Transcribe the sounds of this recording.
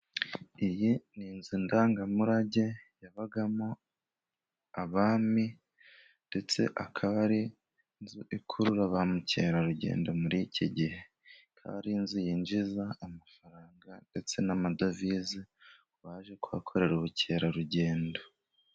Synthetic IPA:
ijininzindaːŋɡamuɾaɟe̞jaβaɡamo | aβaːmi | nde̞t͡se̞̰ʔakʰaβaɾi | nzuʔikʰuɾuɾaβamuce̞̰ːɾaɾuɟe̞̰ːndo̞muɾicʰiɟihe̞ | kʰa̰ːɾinzijind͡ʒizaːmafaɾaːŋɡande̞t͡se̞namadovizi | βaːʒe̞kuβakʰo̞ɾe̞ɾuβuce̞ːɾaɾuɟe̞ːndo

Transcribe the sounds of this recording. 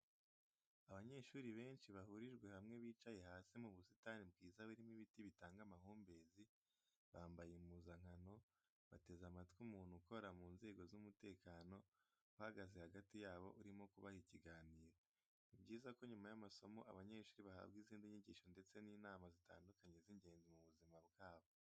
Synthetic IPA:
aβaɲe̞ːʃuːɾiβe̞ːnʃiβahuɾiʒɡwe̞hamŋe̞βiːt͡ʃaje̞haːsimuβusitaːnibɡiːzaβuɾimiβitiβitaːŋɡamahuːmbe̞zi | βaːmbajemuzaŋ̥hano̞ | βate̞zamatkwumuːn̥huko̞ɾamuːnze̞ːɡo̞zumute̞ːkaːno̞ | uhaɡazehaɡatijaːβo̞̰ʔuɾimo̞kuβahiciɡaːniːɾa | nibɡiːzako̞ɲumajamaso̞mo̞ʔaβaɲe̞ːʃuɾiβaha̰bɡiziːndiɲiɟiːʃo̞nde̞t͡se̞niːnaːmazita̰ːndukaɲe̞ziɲɟe̞ːnzimuβuzimabɡaːβo̞

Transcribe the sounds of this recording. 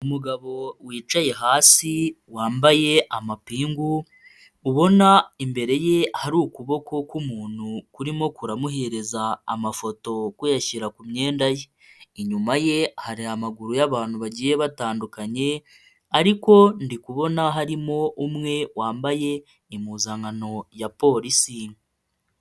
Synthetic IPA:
umuɡaβo̞wiːt͡ʃaje̞ɦaːsi | waːmbaje̞amapiːŋɡu | uβo̞naimbe̞ɾe̞je̞haɾuːkuβo̞kʰo̞kumuːn̥hukuɾimo̞kuɾamuɦe̞ɾe̞za̰ːmafo̞to̞kujaçiɾakumɲe̞ːndaje | iɲumaje̞haɾiamaɡuɾujaβaːn̥huβaɟiːje̞βataːndukaɲe̞ | aɾiko̞ndikuβo̞naɦaɾimo̞ʔumŋe̞waːmbaje̞ | imuːzaŋano̞japo̞ːɾisi

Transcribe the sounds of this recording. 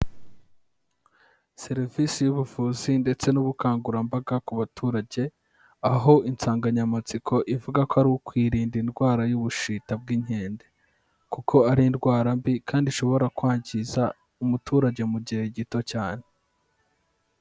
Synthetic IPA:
se̞ɾivisijuβufuːzinde̞t͡se̞nuβukaːŋɡuɾambaɡakuβatʰuːɾaɟe̞ | aɦo̞int͡saːŋɡaɲamat͡sikʰo̞ʔivuɡakoaɾiokwiːɾiːndindɡwaːɾajuβuʃiːtab̚ɡiɲ̥e̞ːnde̞ | kukʰo̞aɾindɡwaːɾambikʰaːndiʃo̞βo̞ɾakwaːɲɟiza | umutuːɾaɟe̞muɟihe̞ɟito̞caːne

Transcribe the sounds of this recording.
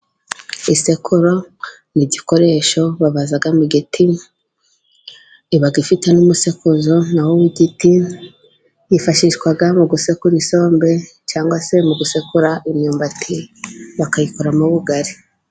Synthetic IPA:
isekʰuɾo̞ | niɟiko̞ɾe̞ʃo̞βaβazaɡamuɡitʰi | iβaɡifitenumusekuzo̞nawowiɡiti | jifaʃiʃkwaɡamuɡusekuɾiso̞ːmbe̞ | t͡ʃaːŋɡwase̞muɡusekuɾaʔimɲuːmbatʰiβakajikoɾamuβuɡaɾi

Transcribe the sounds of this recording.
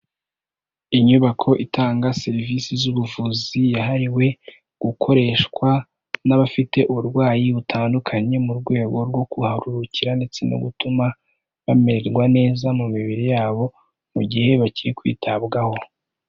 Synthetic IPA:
iɲuβakʰo̞ʔitʰaːŋɡase̞ɾivisizuβuvuːzijaɦaɾiwe̞ | ɡ̥ukʰo̞ɾe̞ːʃkwa | naβafite̞ʔuβuɾɡwaːjiβutʰaːndukʰaɲe̞muɾɡwe̞ːɡo̞ɾɡwo̞kuhaɾuɾuciɾandet͡sino̰ɡutuma | βame̞ɾe̞ɾɡwane̞ːzamumiβiɾejaːβo̞ | muɟihe̞βaciɾikwḭːtʰabɡaho̞

